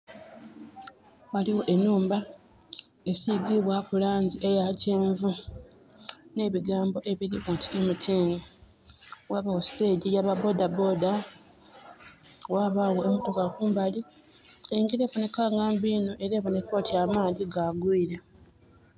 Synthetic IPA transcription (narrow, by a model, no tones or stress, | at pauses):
waliwo̞ʔe̞nːuːmba | e̞siɡiβwakulaːɲɟiʔe̞jaceːɱvu | ne̞ːβiɡaːmbo̞ʔe̞βiɾiwontiemutʰiːŋe | waːβawo̞si̥te̞ɟijaβabo̞dabo̞da | waβawo̞emoto̞kakuːmbali | eŋɡiɾe̞βone̞kaŋɡaːmbiːnoʔe̞ɾeːβone̞ko̞ːtiamaːðiɡaɡwiːɾe